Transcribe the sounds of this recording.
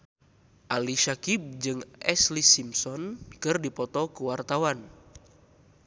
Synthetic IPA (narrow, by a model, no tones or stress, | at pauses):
ʔaliʃakib̚d͡ʒɨŋʔɛslisimsɔnkɨrdipɔt̪ɔkuwart̪awan